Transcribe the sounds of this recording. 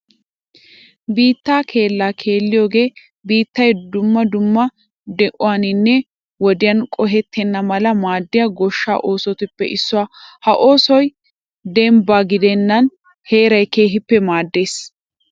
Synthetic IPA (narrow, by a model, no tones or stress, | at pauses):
biːt̪ːaːkʰe̞ːlːaːkʰe̞ːlːɪjo̞ːɡe̞ː | biːt̪ːɐjd̪ʊmːɐd̪ʊmːɐ | d̪ɛʔʊwaːnɪnːɛ | wɔd̪ɪjɐnkʼɔɦɛt̪ʰːɛnːɐmɐlɐmaːd̪ːɪjɐɡɔʃːa̰ːʔo̞ːsɔt̪ɪpːɛ̰ʔɪsːʊwaːhɐʔo̞ːsɔj | d̪ɛmbaːɡɪd̪ɛnːɐn | he̞ːɾɐjke̞ːɦɪpːɛmaːd̪ːeːs